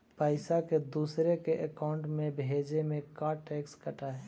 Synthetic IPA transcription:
pəɪsaked̪uːsɾekeʔəkaːʊ̃ɳʈmẽbʱeːd͡ʒemẽkaːɾʈɛːkskəʈaɦɛ

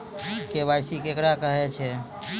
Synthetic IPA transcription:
kebajsikekɾakəɦɛt͡ʃʰɛ

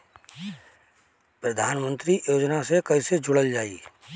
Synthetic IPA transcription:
pɾəd̪ʱaːnmə̃nt̪ɾijoːd͡ʒnasekɐɪsed͡ʒʊɽəld͡ʒaːḭ

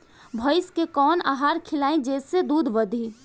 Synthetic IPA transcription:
bʱəɪskekɔːna̰ːɦaːɾkʰɪlaːẽd͡ʒeːsːed̪uːd̪ʱʋəd̪ʱiː

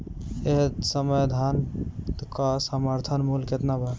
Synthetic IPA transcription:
eɦsəmed̪ʱant̪kɔsəməɾt̪ʰənmulket̪nabɛ

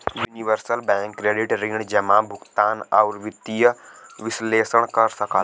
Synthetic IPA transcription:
juniʋəɾsəlbɛ̃ːŋkːɾeːɖɪʈɾĩːɳd͡ʒəmãːbʱʊɡt̪aːnaɔʊɾʋɪt̪ijəʋɪsleːsəɽkəɾsəkə

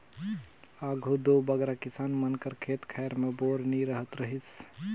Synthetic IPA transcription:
aːɡʱud̪obəɡɾakɪsaːnmənkəɾkʰeːt̪kʰɛjɾmẽboːɾniɾəɦət̪ɾəɦis

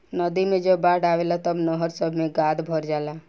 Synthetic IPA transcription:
nəd̪imẽd͡ʒəbaːɽaːʋelat̪əbnəɦəɾsəbʱmẽɡaːd̪bʱəɾd͡ʒaːla

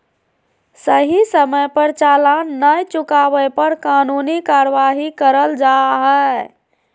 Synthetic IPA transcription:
səɦisəməjpəɾt͡ʃalanːəjt͡ʃukabəjpəɾkanunikaɾʋaɦikəɾəld͡ʒaɦɛ

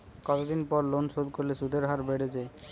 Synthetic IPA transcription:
kɔt̪od̪inpɔɾlonʃod̪koɾleʃud̪ʱeɾɦaɾbeɽed͡ʑaj

